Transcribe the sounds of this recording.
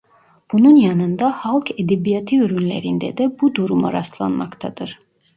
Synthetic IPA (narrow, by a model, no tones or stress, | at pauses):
b̥ununjɑnɯnd̪ɑhɑlˠkʰed̪ebijat̪ʰɯyɾynlʲḛɾind̪ɛ̰d̪ɛbud̪uɾuma̰ɾaslˠa̰nmɑ̰kt̪ʰa̰d̪ɯɾ̥